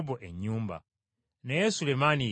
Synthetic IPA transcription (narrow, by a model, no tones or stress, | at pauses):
boʔeɲːuːmba̰ | nejesulemani